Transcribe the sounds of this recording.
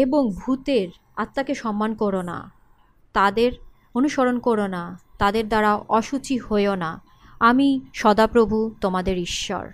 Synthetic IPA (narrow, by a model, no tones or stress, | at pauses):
eboŋbʱut̪eɾ | at̪ːakeʃɔmːankoɾona̰ | t̪ad̪eɾ | onuʃoɾonkoɾonat̪ad̪eɾd̪aɾaʔɔʃut͡ɕihoeona | amiʃɔd̪apɾobʱut̪omad̪eɾiʃːɔ̰ɾ